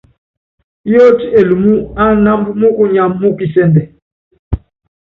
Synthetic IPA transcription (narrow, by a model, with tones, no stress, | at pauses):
jo˦ti˦e˨lu˨mu˦a˦na˦mbu˦mo˦ku˦ɲa˨mːo˦ki˨sɛ˦ndɛ˨